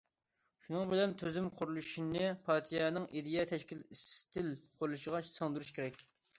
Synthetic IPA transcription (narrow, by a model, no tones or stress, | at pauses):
ʃunɨŋbɪlɛnt̪ʰøzɪmqʰʊɾulˠuʃinɨpʰɑɾt̪ʰijɛnɨŋʔid̪ijɛt̪ʰɛʃkʲilist̪ʰɪlqʰʊɾulˠuʃəʁɑʃsɑŋd̪uɾuʃkʲʰeɾɛkʲ